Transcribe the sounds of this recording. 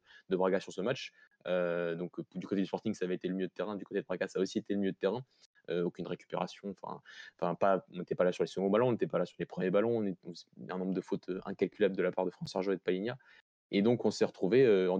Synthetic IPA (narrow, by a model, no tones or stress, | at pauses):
d̪əbʁaɡasyʁsəmat͡ʃ | ød̪ɔ̃kd̪ykot̪ed̪yspɔʁt̪iŋɡsaːvɛet̪eləmjød̪ət̪eʁɛ̃d̪ykot̪ed̪əbʁaɡasaːosiet̪eləmijød̪ət̪eʁɛ̃ | øokʲynʁekʲy̥peʁa̰sjɔ̃ɑ̃fɛ̰̃ɑ̃fɛ̃paɔ̃net̪ɛpalasyʁlesəɡɔ̃balɔ̃ɔ̃net̪ɛpalasyʁlepχəmjebalɔ̃ɔ̃neɔ̃ɛ̃nɔ̃bʁd̪əfot̪ʰøʔɛ̃kalkʲylabld̪əlapaʁd̪əfχɑ̃saʁʒɔɛd̪̚palinja | ed̪ɔ̃kɔ̃sɛʁət̪χuveøɑ̃